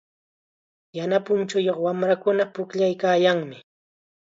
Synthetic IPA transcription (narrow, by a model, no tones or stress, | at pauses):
janapʊnt͡ʃʊjoχwamɾakʊnapʊkʎajkaːjaŋmɪ